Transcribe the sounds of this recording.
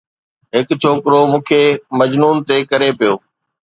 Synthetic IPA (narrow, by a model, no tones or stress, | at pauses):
ɦɪkt͡ɕʰoːkɾomũːkʰemɐd͡ʑnuːnt̪ekɐɾepijoː